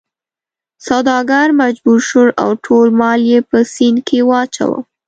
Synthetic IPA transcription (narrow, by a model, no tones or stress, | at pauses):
sawd̪ɑɡaɾmad͡ʒbuɾʃuɾa̰wʈʰolmɑljepəsinkʰewɑt͡ʃa̰wə̰